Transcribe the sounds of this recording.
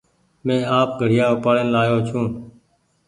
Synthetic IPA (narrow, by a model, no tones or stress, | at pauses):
mẽːaːp̚ɡʱəɽ̤ɪjãːʊpaːɽeːnlaːjoːt͡ʃʰũː